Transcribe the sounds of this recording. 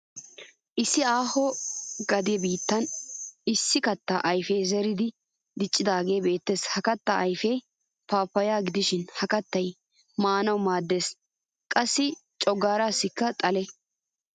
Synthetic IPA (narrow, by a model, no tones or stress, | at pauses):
ʔɪsːɪaːhɔɡɐd̪ɪjɛbiːt̪ːɐnɪsːɪkɐt̪ːaʔɐjfejzɛɾɪd̪ɪ | d̪ɪt͡ʃʼːɪd̪aːɡe̞ːbe̞ːt̪ːeːshɐkɐt̪ːaʔɐjfɛj | paːpːɐjaːɡɪd̪ɪʃɪnhɐkɐt̪ːɐj | maːnɐwmaːd̪ːe̞ːs | kʼɐsːɪt͡ʃʼɔɡaːɾaːsːɪkːɐt̪ʼɐlɛ